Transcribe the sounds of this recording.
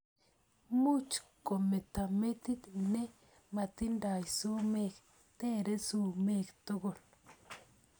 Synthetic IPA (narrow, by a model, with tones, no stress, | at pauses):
mu˦t͡ʃko˨me˨t̪a˨me˦t̪i˦t̪ne˦ | ma˨t̪i˦nda˨jso˦me˦˨k | t̪eː˦˨ɾe˦su˦˨me˦˨kto˦ɡo˨l